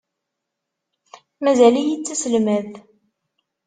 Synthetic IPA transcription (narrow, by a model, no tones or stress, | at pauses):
mæzælijit͡sːæsəlmæð